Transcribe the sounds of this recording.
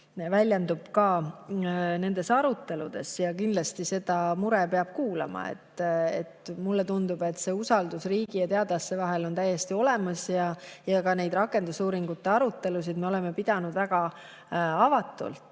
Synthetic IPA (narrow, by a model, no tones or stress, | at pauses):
vælʲjend̪ub̥kɑː | ne̞nd̪̥e̞sɑɾut̪ːˑe̞lud̪̥e̞sjɑkind̪lɑst̪ise̞d̪̥ɑmuɾepe̞ɑb̥̚kuːlɑ̰mɑ̰ḛt̪ːḛt̪mulːet̪und̪ub̥e̞t̪ːˑse̞ːusɑld̪usriːɡ̥ijɑt̪eɑd̪̥ɑsːevɑɦelo̞nt̪æjːe̞st̪io̞le̞mɑsjɑjɑkɑne̞jd̪̥rɑkːˑe̞nd̪̥usuːɾiŋɡut̪ːe̞ɑɾut̪ːe̞lus̬id̪me̞ole̞me̞pid̪̥ɑnud̪væɡ̥ɑ | ɑvɑt̪ːˑṵlt̪ˑ